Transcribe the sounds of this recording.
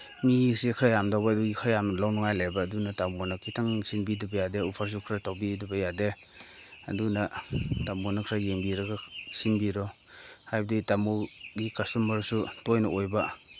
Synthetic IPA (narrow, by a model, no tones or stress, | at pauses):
misekʰɾajamdawbaːduɡikʰɾajamlawnɔŋajlajbaːdunatamɔnakʰitʰaŋsinbidibajadeupʰaɾs̬ukʰɾatawbidubajade | a̰dunatamonakʰɾajeŋbiɾaɡasinbiɾɔ | hajbditamuɡikastumbaɾsutojnaojba